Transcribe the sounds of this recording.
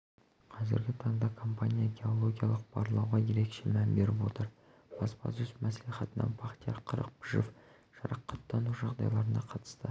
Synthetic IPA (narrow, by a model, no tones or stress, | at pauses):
qʰɑzɪ̰ɾɡʲɪt̪ʰɑɴd̪ɑkʰo̞mpanʲijaɡʲe̞o̞lˠo̞ɡʲija̰lˠəq̚b̥ɑ̰ɾlˠɑwʁɑje̞ɾe̞kʃe̞mænbe̞ɾɪpwo̞t̪əɾ | b̥ɑsbɑ̰sʏsmæsliχɑt̪ənɑ̰npʰɑqt̪ijɑqʰəɾə̰q̚bʰɪʒɪf | ʒ̥ɑ̰ɾɑqʰːɑt̪ːɑnuʒɑʁd̪ɑ̰jlˠɑɾənɑqʰɑt̪ə̥st̪ə